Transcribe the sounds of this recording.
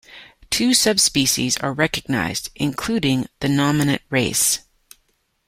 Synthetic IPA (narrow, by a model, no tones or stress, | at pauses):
tʰʉsʌbspiʃḭzə̰˞ɹɛkɨɡ̚na̰ɪzdʔɨ̃nkʰl̥ʉɾɪ̃ŋðɨnɑmɨnɨ̰̃ʔ̚ɹeɪs